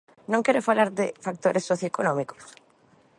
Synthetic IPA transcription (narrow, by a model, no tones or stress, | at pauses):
nõŋkɛɾofalaɾðɪfak̚t̪oɾʔesːoθjoekonɔmiko̥s